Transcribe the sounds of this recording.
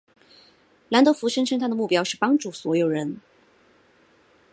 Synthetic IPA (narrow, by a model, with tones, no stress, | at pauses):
la˧˥nt̪o˧˥ʊfu˧˥ʂə˥ŋʂʰə˥ŋt̪ʰa˥d̪ə˨mu˥˩pjɑ˥ʊʂɻ̩˥˩pɑ˥ŋʈ͡ʂu˥˩swɔ˧˥jo˨˩ʊɻə˧˥n